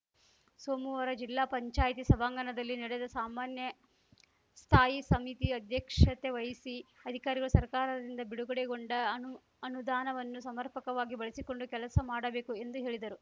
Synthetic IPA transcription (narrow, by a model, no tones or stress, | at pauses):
soːmuʋɐɾɐd͡ʒilːaːpɐɲt͡ʃaːjt̪isɐbʱaːŋɡɐnɐd̪ɐlːiniɽed̪ɐsaːmaːnjɐ | st̪ʰaːjisɐmit̪iɐd̪ʱjɐkʂɐt̪eʋɐjisiɐd̪ʱikaːɾiɡɐɭusɐɾkaːɾɐd̪ind̪ɐbiɽuɡɐɽeɡo̞ɳɖɐu | ɐnud̪aːnɐʋɐnːusɐmɐɾpɐkɐʋaːɡibɐɭisiko̞ɳɖukɛlɐsɐmaːɽɐbe̞ːkue̞nd̪uɦe̞ːɭid̪ɐɾu